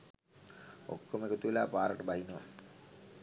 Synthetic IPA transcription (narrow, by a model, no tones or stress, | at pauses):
o̰kːomekət̪uʋelaːpaːɾəʈəbaɦinəʋa̰